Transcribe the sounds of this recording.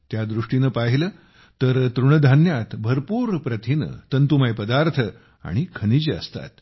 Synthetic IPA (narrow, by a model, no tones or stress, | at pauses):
t̪jad̪ɾuʂʈinəpaɦiləː | t̪əɾt̪ɾuɳ̃əd̪ʱanjat̪bʱəɾpuːɾpɾət̪ʰinə̰t̪ənt̪umajpəd̪aɾt̪ʰə | a̰ɽ̃ikʰənid͡ʑeə̰st̪a̰t̪